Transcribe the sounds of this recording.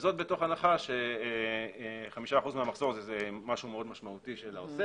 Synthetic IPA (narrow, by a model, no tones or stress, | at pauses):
zo̞t̪̚be̞to̞χanaχaʃe | χamiʃaːχuzmeamaχz̥o̞ʁazezemaʃumeo̞d̪maʃmautiʃelaose